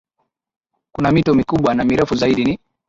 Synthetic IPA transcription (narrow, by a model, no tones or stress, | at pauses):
kunamitɔmikuɓwanamiɾɛfuzaiɗini